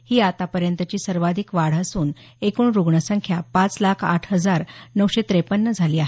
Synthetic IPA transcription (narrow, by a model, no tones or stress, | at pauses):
hiːat̪apəɾjənt̪ət͡ɕiːsəɾʋad̪ʱikʋaɽ̤əsuːn | ekuːɳɾuɡɳəsəŋkʰjapãt͡slakʰaʈʰɦəd͡zaɾnəwɕet̪ɾepənːəd͡zʱaliːaɦe